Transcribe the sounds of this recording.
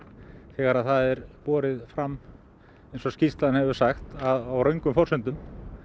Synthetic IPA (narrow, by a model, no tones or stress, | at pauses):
θɛːɣaɾaðθaðɛɾpɔːɾɪðfɾamː | ejnsɔscist̪lanhɛvʏ̥saxt̪aðawɾœɥŋkʏmfɔr̥sʏnt̪ʏm